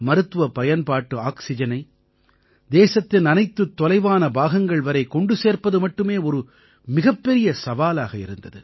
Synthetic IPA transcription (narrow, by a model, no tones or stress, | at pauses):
mɐɾɯt̪ːɯʋɐpɐjɐnpaːʈːɯaːksɪd͡ʒɐnɐɪ | d̪eːsɐt̪ːɪnɐnɐɪt̪ːɯt̪ːɔlɐɪʋaːnɐbaːɣɐŋɡɐɭʋɐɾɐɪkɔɳɖɯseːrpɐðɯmɐʈːɯmeːɔɾɯ | mɪɣɐpːɛɾɪjɐsɐʋaːlaːɣɐɪ̰ɾɯ̰nd̪ɐðɯ̰